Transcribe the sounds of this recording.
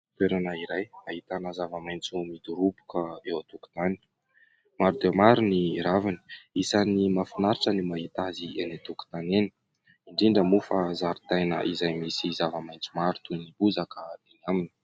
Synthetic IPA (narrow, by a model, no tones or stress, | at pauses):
t̪eɾanaiɾajmaɦit̪anəzavəmajnt͡sumid̪uɾupu̥kəewat̪uku̥t̪ani̥ | maɾd̪eamaɾuniɾavini̥isanimafinaɾiʈ͡ʂənimaɦit̪azienat̪uku̥t̪anenə̥ | iɳɖ͡ʐiɳɖ͡ʐəmufazaɾut̪ajnə̰ʔizajmisizavəmajnt͡sumaɾut̪unibuzakəd̪inamini̥